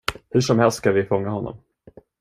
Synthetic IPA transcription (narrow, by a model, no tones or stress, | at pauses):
hɵʂɔmhɛlst̪skavɪfɔŋːahɔnːɔ̰m